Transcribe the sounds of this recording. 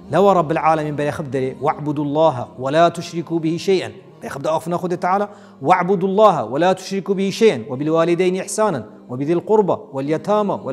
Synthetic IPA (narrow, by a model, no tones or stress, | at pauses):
lawaɾˤɑbːalʕaːlamɪmbalixabd̪aliwaʕbʊd̪ulˤːɑːɦawalaːt̪ʊʃɾɪkubɪhiʃajʔan | balaxab̚d̪aʔaxfnaxʊd̪ɪt̪ːaʕaːla | waʕbʊd̪lˤːɑːɦawalat̪ʊ̥ʃɾɪkubɪhiʃajʔanwabɪlwaːlɪd̪ajnʔɪħsaːnan | wabɪðilqʊɾbawɪljat̪aːmawa